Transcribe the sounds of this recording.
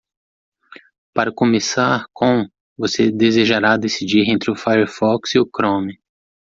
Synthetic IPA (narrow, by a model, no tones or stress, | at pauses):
paɾɐkõmesaɾkõw̃ | vosed̪ezeʒaɾad̪esid͡ʒiɾẽnt̪ɾɪʊfajeɾfɔksiʊkɾõmɪ